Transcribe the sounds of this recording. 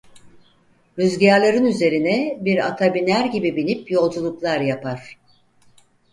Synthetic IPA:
ɾyzɟaɾlʲˠeɾɯnyze̞ɾinɛbiɾa̰t̪ʰabinʲæɾɟibibinʲipjo̞lˠd͡ʒulˠuklˠaɾjapʰaɾ̥

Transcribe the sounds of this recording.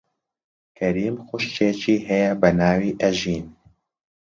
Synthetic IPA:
kʰɐɾiːmxʊʃt͡ʃeːt͡ʃiːɦɛjɛbɐnaːwiːʔɛʒiːn

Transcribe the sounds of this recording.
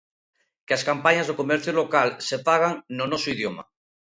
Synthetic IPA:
keaskampaɲazðokomeɾθjulokalsepaɣ̞aŋnonosoiðjoma̰

